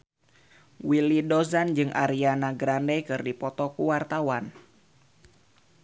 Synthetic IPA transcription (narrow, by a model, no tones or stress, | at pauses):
wilidozand͡ʒɨŋʔa̰ɾianaɡɾandɛkɨrdipɔt̪ɔkuwart̪awan